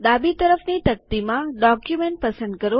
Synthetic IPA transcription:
d̪abit̪əɾəfnit̪ɐk̚t̪imãɖɔkjumẽɳʈ̚pəsə̃ɳɖ̪̚kəɾo

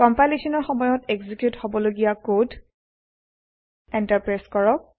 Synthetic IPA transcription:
kɔmpalisɔnɔɹxɔmɔjɔteɡzikjuthobɔloɡijakod | ɛntaɹpɹaskɔɹɔk̚

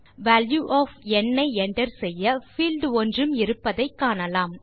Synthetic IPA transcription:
ʋæːljuʔɔːfɛnːɐɪɛnɖɐɾsɛjːɐfiːlɖɔndrɯmɪɾɯpːɐðɐɪkːaːnɐlaːm

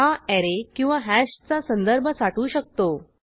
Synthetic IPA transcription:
aɛɾekĩw̃ʋaɦæɕt͡sasənd̪əɾbʱəsaʈuːɕək̚t̪o

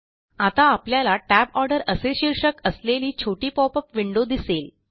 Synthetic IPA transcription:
at̪aːpljalaʈæbɔɾɖəɾəseɕiɾɕəkəsleliːt͡ɕʰoʈiːpɔpəpʋiɳɖod̪isel

